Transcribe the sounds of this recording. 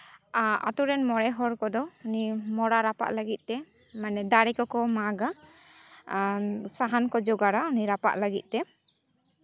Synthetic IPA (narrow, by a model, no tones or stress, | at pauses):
a̰t̪uɾɛnmɔɽɛɦɔɾkɔd̪ɔunimɔɽaɾapa̰ʔləɡit̪̚ˀt̪ɛ | manɛd̪aɽɛkɔkɔmaɡa | saɦankɔd͡ʒɔɡaɾauniɾapa̰ʔləɡit̪̚ˀt̪ɛ